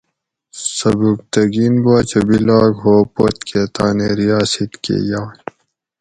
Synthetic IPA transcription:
sɐbuk̚t̪ɐɡinbaːt͡ɕɐbilaːɡɦoːpot̪ket̪aːneɾijaːsit̪kḛːjaː

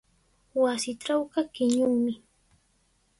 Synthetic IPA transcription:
wasɪʈ͡ʂawɢɑkɪɲʊŋmɪ

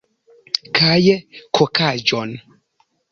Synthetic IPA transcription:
kʰaːjɛkʰɔkʰad͡ʒɔn

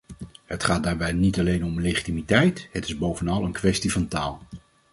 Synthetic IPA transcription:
ɦətχaːd̚daːɹbɛjnitɑlejnɔmlejχitimitɛjtɦətɪzbowvənɑlˠənkʋɛstivɑntaːlˠ

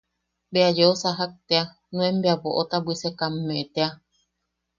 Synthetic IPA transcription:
beajeosaɦak̚t̪ea | nũẽmbeaβoʔot̪abwisekamːẽet̪ea

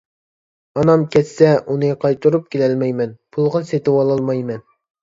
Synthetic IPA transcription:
ɑnɑmkʲɛt̪sɛʔunɨqʰɑjt̪uɾup̚kʲʰelɛlmɛjmɛnpʰulˠʁɑset̪ɪwɑlˠɑlˠmɑjmɛn

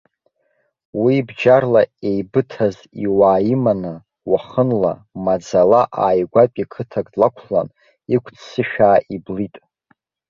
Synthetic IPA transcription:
wibd͡ʒarlaejbɨtʰaz | iwaːjimanɨ | waχənla̰mad͡zalaʔaːjɡʷapʲʷʼikʰɨtʰakʼdlakʷʰχla̰n | ikʷʰʼt͡sʰsɨʃᶣaːʔiblitʼ

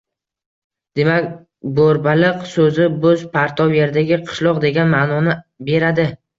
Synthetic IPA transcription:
d̪̥e̞makʲ | boɾbalɪqsɵzɪbɵzpʰaɾt̪ʰɒwje̞ɾd̪aɡʲɪqʰɨ̥ʃlˠɒqd̪e̞ɡʲanmaːnɒnɪbe̞ɾad̪ɪ

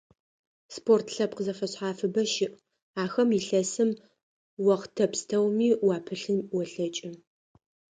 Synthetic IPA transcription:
spʰoːrtʰɬɐp̚qəzɐfɐɕħaːfɨbɐʃɪʔ | aːxɐmɪɬɐsɨm | wɐqtʰɐpstʰɐwmiːwɑːpʰɨɬɨnwɔɬɐt͡ʃʼɪ

